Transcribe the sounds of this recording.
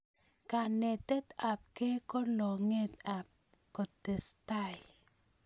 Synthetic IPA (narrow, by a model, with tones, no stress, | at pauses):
ka˨ne˨t̪e˦t̪a˨p̚ke˦kɔ˦lɔ˨ŋe˦t̪a˨p̚ | kɔ˨t̪e˨sta˦˨j